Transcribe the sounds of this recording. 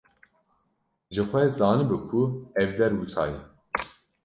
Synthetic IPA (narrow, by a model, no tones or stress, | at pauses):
ʒɨxʷɛzɑːnɨbɨkʰuɛvːɛɾwut̪ʰɑ̰ːjɛ